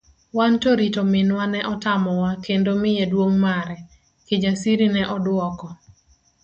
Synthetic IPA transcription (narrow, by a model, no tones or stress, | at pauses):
wantoɾitomɪnwanɛʔɔtamɔwakendomɪjedwoŋmaɾɛ | kɪd͡ʒasiɾinɛʔɔdwɔkɔ